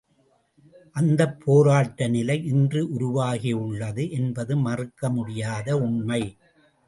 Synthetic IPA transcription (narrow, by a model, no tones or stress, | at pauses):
ʔɐnd̪ɐpʰːoːɾaːʈːɐnɪlɐɪɪndrɯʔʊɾʊʋaːɣɪʊɭːɐðɯʔɛnbɐðɯmɐrɯkːɐmʊɽɪjaːðɐʊɳmɐɪ